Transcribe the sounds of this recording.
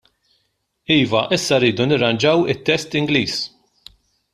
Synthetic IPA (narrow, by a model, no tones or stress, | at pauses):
iːvɐʔɪsːɐɾːiːd̪unɪɾːɐnd͡ʒɐwɪt̪ːɛst̪ɪŋɡliːs